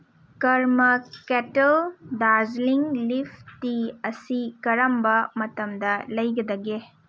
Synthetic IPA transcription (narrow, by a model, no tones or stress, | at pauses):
kɐɾmɐketɐldazliŋlipʰtiɐsikɐɾɐmbɐmɐtɐmdɐlɐjɡɐd̪ɐɡe